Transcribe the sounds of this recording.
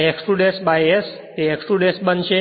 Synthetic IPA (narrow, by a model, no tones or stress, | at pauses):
eksʈuɖesbajes | t̪eeksʈuɖesbənʃe